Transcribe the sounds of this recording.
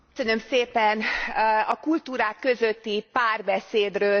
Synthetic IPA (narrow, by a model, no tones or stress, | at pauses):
sønø̞mseːpɛnɒkult̪uːɾaːkːø̞zø̞t̪ːipaːrbɛseːd̪røː